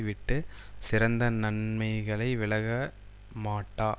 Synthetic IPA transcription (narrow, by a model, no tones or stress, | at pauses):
ʋɪʈːɯ | sɪɾɐnd̪ɐnɐɳmɐɪɣɐɭɐɪʋɪɭɐɣɐ | maːʈːaː